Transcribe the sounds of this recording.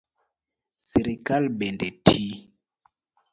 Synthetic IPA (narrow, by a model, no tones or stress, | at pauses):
seɾikalbɛndɛtʰi